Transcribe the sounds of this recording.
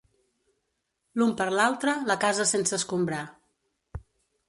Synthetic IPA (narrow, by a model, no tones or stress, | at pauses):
lumpəɾlalˠt̪ɾələkazəsensəːskumbɾa